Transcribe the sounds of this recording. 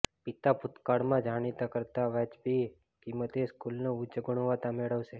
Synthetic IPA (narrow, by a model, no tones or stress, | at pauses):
pit̪apʊt̪kaɽmãd͡ʒʱaɽ̃it̪akəɾt̪aʋɛt͡ʃbi | kimət̪eskulnout͡ʃəɡʊɳ̃ʋat̪ameɭəʋʃe